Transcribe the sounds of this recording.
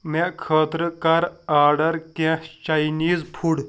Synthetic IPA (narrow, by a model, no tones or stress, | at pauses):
mekʰəːt̪ɾəkaɾaːɾɖɐɾkẽt͡ʃajniːzpʰuɽ